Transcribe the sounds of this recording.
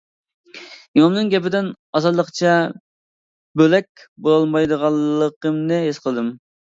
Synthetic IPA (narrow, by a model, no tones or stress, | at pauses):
jomnɨŋɡʲɛpɪd̪ɪn | ɑzɑd̪lˠəqt͡ʃʰɛ | bølɛk̚ʲ | bolˠɑlˠmɑjd̪əʁɑlˠːəqəmnɨɦesqʰəlˠɨd̪ɨm